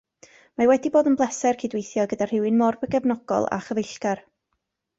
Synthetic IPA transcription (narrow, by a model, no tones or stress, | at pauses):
mawɛdiboːdənblˠɛsɛrkʰidwejθjɔɡədar̥ɪwɪnmɔrbəɡɛvnɔɡ̥ɔ̰lˠa̰χəvɪɬɡ̥ar